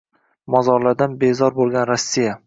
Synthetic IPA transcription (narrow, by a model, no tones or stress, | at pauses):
mɒzɒɾlaɾd̪anbezɒɾbolˠɡʲanɾasːija